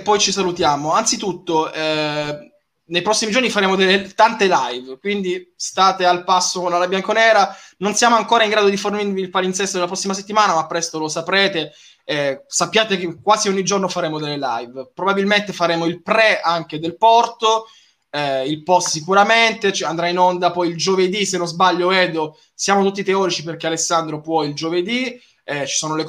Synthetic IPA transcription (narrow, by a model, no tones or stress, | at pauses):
pːɔjt͡ʃisalut̪jaːmoansit̪ut̪ːoɛ | nejpɾɔsːimid͡ʒornifaɾeːmod̪elːet̪ant̪elajvkwind̪ist̪aːt̪ealpasːokonlalabjaŋkonɛːɾanonsjaːmoaŋkoːɾaiŋɡɾaːd̪od̪iformirviːlpalint̪sɛst̪ːod̪elapɾɔsːimas̬et̪ːimaːnamapːɾɛst̪olosapɾeːt̪e | sapːjaːt̪ekekːwaːziɔɲːid͡ʒornofaɾeːmod̪elːelajvpɾobabilment̪efaɾeːmoilpɾɛaŋk̟ed̪elpɔrt̪o | ɛilpɔst̪sikuɾament̪et͡ʃɛand̪ɾainond̪apɔjild͡ʒoved̪isenːozbaʎːoɛːd̪o | sjaːmot̪ut̪ːit̪eɔːɾit͡ʃiperk̟ealesːand̪ɾopwɔjild͡ʒoved̪i | ɛt͡ʃi̥soːnolek